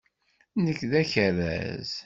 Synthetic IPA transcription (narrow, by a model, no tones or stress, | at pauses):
nəkːðæçəɾæ̰z̥